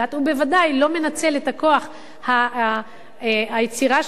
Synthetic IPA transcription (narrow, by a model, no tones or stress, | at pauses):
at̪hube̞vadajlo̞me̞nat͡se̞letako̞aχ | ha | ajet͡siʁaʃ